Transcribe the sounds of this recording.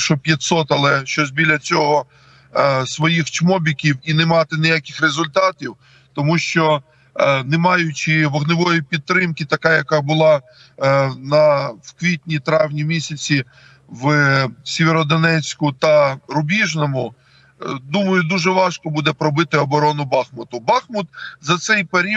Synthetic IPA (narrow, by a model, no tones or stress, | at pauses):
ʃɔpʲjɐt̪ʲsɔt̪ɐlˠɛʃt͡ʃɔzʲbʲilʲːɐt͡sʲɔɦɔ | sʋɔjixt͡ʃmɔbʲikʲiwinemɑt̪ɪnɪjakʲɪxrezʊlʲt̪ɑt̪ʲiw | t̪ɔmuʃt͡ʃɔ | nemɑjʊt͡ʃɪʋɔɣnɪʋɔjipʲid̪̚t̪ːɾɪmkit̪ɐkajɐkɑbʊlˠɑ | nɐwkʋʲit̪ʲnʲit̪ɾɑwnʲimʲisʲɐt͡sʲi | wsʲeʋeɾɔd̪ɔnɛt͡sʲkʊt̪ɐɾʊbʲiʒnɔmʊ | d̪umɐjʊd̪uʒɛʋɑʃkɔbud̪ɛpɾɔbɪt̪ɪɔbɔɾɔnʊbɑxmʊt̪ʊbɑxmʊt̪zɐt̪sɛjpeɾʲi